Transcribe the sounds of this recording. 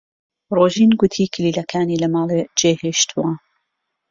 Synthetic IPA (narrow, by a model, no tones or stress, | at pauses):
roːʒiːnɡʊt̪ʰiːkʰɨliːlɐkʰaːniːlɐmɑːlˠed͡ʒeːheʃt̪ʰuwa